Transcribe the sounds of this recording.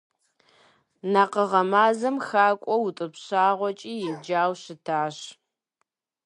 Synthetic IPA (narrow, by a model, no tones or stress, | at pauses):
naqəʁɐmaːzɐmxaːkʷʼɔwutʼɨpɕaːʁʷɔt͡ʃʼiːjɪmd͡ʒaːwɕɪtʰaːɕ